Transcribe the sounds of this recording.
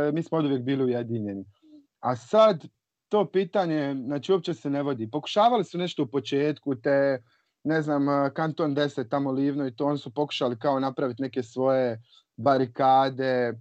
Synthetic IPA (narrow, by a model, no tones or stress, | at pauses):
miːsmood̪ujek̚biːliujed̪iːɲeni | asad̪ | t̪o̞ːpiːt̪aɲe̞znaːt͡ʃiːo̞p̚t͡ʃe̞sene̞ʋo̞d̪iːpo̞ku̥ʃaːʋalisune̞ʃt̪o̞upo̞t͡ʃeːt̪kut̪e | ne̞znaːmkant̪o̞ːnd̪e̞set̪ːamoliːʋnoit̪oːonisupo̞ku̥ʃalikao̞napɾaʋit̪ne̞ke̞sʋo̞je̞ | baɾikaːd̪e̞